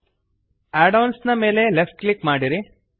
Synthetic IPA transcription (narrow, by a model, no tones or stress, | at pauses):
aːɖɐwnsnɐme̞ːle̞lefʈ̚klikmaːɽiɾi